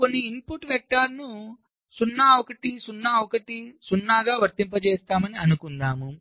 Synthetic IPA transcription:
ko̞nːiːmpuʈʋek̚ʈaːɾnu | sunːɐokɐʈisunːɐokɐʈisunːaːɡaːʋɐɾt̪impɐt͡ʃeːst̪aːmɐniɐnukund̪aːmu

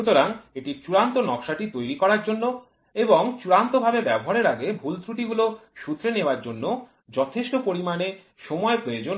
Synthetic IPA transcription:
ut̪oɾaŋeʈit͡ɕuɾant̪onɔkʃaʈit̪ojɾikɔɾaɾd͡ʑonːo | eboŋt͡ɕuɾant̪obʱabebɛboɦaɾeɾaɡebʱult̪ɾuʈiɡuloʃut̪ːɾeneoaɾd͡ʑonːo | d͡ʑɔt̪ʰeʃʈopoɾimane | ʃɔmɔepɾood͡ʑon

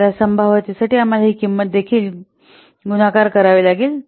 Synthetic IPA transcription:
ɾjasəmbʱaʋat̪isaʈiːam̤alaɦiːkimːət̪̚d̪ekʰiːl | ɡunakaɾkəɾaʋilaɡiːl

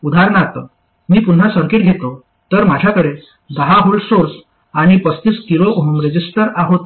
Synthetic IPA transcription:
ud̪ʱaɾɳat̪ə̰ | miːpun̤asəɾkiːʈ̪̚ɡʱet̪o | t̪əɾmad͡ʑʱjakəɽe | d̪aɦaɦolsoɾs | aɽ̃ipəst̪iskiɾoɦumɾəd͡ʑisʈəɾaɦot̪

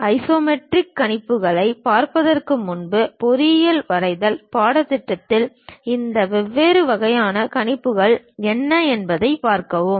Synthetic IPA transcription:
ɐɪsoːmɛʈrɪkːɐɳɪpːɯɣɐɭɐɪpaːɾpɐðɐrkɯmʊnbɯpɔɾɪjɐlʋɐɾɐɪðɐlpaːɽɐt̪ːɪʈːɐt̪ːɪl | ɪnd̪ɐʋɛʋːeːɾɯʋɐɣɐjaːnɐkɐɳɪpːɯɣɐɭɛnːɐɛnbɐðɐɪpaːɾkɐʋɯm

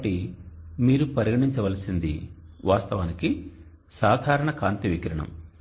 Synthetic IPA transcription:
ɐʈimiːɾupɐɾiɡɐɽiɲt͡ʃɐʋɐlɐsind̪ḭʋʔaːst̪ɐʋɐniki | saːd̪ʱaːɾɐɳɐkaːnt̪iʋikɾɐɳɐ̰m

